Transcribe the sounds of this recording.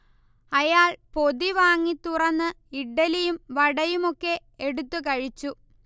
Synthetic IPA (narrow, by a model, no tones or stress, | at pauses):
ɐjaːɭpo̞ðiʋaːŋːit̪ːurɐnːɨ | iɖɐlijumʋɐɽɐjumo̞kːe̞ | eɽut̪ːukɐɻit͡ɕːu